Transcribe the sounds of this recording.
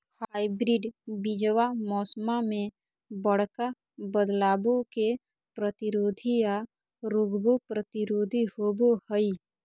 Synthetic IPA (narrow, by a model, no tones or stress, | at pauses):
haːibɾiɖbɪd͡ʒəwamɔːsmamẽ | bəɽ̤ka | bəd̪laːbõke | pɾət̪ɪɾoːd̪ʱija | ɾʊɡbopɾət̪ɪɾoːd̪ʱihoːbohəi